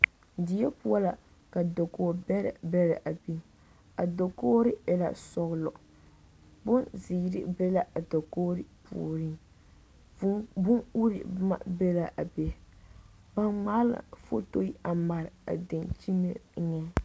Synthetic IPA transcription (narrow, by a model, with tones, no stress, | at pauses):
di˨˦ɛ˦pu˦a˦la˨ | ka˨do˨ko˦˨bbɛ˦ɾɪ˨ʔa˨bi˦ | a̰˨do˨ko˦ɾɪ˦jɛ˨la̰˨sɔ˦ɣlɔ˨ | bʊ˦nzi˨˦ɾɪ̰˦bɛ˦la˦ʔa˨do˨ko˦ɾɨ˦pṵ˨ɾi˦ | bʊ˦nu˦ɾḭ˨ma̰˨bɛ˦la˨ʔa˨bɛ˨ | ba˦nŋ͡maː˦la̰˨fo˦to˦i˦a˨ma˨ɾɪ˨a̰˨dɪ˨nt͡ʃi˦mɛ̰˦ŋɛ˦